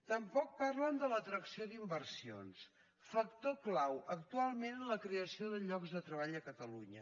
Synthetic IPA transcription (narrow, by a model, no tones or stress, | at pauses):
t̪əmpɔk̚parlənd̪ələt̪ɾəksioðimbərsio̰ns | fək̚t̪oklawʔəkt̪ualˠmenləkɾeəsioðəʎɔɡzðət̪ɾəβ̞aʎəkət̪əluɲə